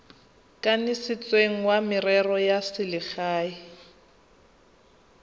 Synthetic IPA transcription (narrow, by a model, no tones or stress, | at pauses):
kʼanɪsɪt͡sʼweŋ̩wamɪrɛrɔjasɪlɪχaːɪ